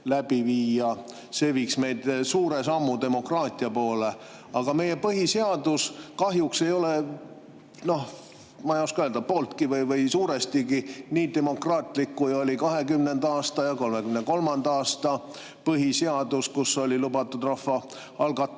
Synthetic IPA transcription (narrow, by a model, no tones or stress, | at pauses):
læb̥iviːɑ | se̞ːviːksme̞jd̪̥suːɾe̞sɑmːud̪e̞mo̞krɑːt̪ˑiɑpoːle̞ | ɑɡ̥ɑme̞je̞pɤɦiseɑd̪̥uskɑɦjukse̞jo̞le̞ | no̞h | mɑjoskɑøld̪ɑpo̞ːlt̪kivɯjvɤjsuːɾest̪iɡiniːd̪e̞mo̞krɑːt̪ˑlikːujo̞lʲikɑɦe̞ɡymnend̪̥ɑɑːst̪ɑjɑko̞lme̞ɡymneko̞lmɑnd̪̥ɑɑːst̪ɑ | pɤɦiseɑd̪̥uskuso̞lʲilubɑt̪ːˑud̪̥rɑfːɑ | ɑlɡ̥ɑt̪ːˑ